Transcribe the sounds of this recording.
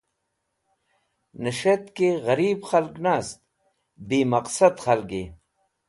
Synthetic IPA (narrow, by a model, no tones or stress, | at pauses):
nɐʃɐt̪keɣɐɾiːbxɐlknaːst̪̚ | biːmɐqsɐd̪xɐlkeː